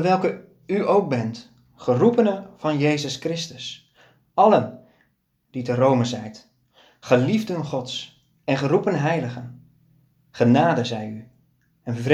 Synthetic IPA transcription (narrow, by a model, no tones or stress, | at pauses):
əʋɛlˠkə | yowk̚bɛnt | χərupənəv̥ɑnjejzəskrɪstəs | ʔɑlən | d̥itərowməzɛjt | χəlivdənχɔts | ɛnχərupənɦɛjləχən | χənaːdəzɛjy | ɛnv